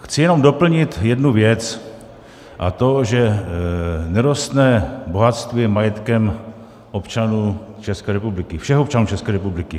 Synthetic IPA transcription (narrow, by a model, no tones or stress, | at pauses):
xt͡sɪjɛno̞mdo̞pl̩ɲɪt̪jɛdnuvjɛt͡s | ʔat̪o̞ʒɛ | nɛɾost̪nɛbo̞ɦat̪st̪vɪmajɛt̪kɛm | ʔo̞pt͡ʃanuː | t͡ʃɛskɛːɾɛpublɪkɪfʃɛxop̚t͡ʃanuːt͡ʃɛskɛːɾɛpublɪkɪ